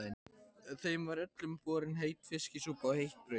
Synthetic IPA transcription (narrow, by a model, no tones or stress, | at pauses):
ɪnθejmvaɾœt̪lʏmkɔːɾɪnɦejt̪fɪscɪsuːpawhejht̪̚pɾœ